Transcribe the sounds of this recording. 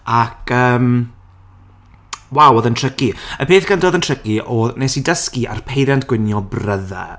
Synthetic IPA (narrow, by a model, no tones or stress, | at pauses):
akʰəːm | wawɔðəntʰrəkiəpʰeːθɡ̥əndɔðəntʰr̥əkiʔɔnesidəskiʔa̰rpʰejðjantʰɡ̥wɪnjɔbrəða̰